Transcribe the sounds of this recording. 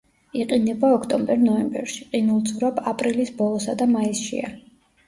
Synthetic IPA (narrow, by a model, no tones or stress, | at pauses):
iqʼinɛbaɔkʰt̪ʼɔmbɛɾnɔɛmbɛ̰ɾʃiqʼinulˠd̪zuɾabapʼɾilisbɔlˠɔsad̪amaisʃḭa̰